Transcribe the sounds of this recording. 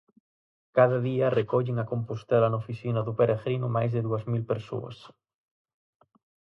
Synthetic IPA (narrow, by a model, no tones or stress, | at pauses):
kaðaðiarekoʎeŋakompust̪elanofisinaðupeɾʔaɣɾinumajzðeðuazmilpeɾso̰a̰s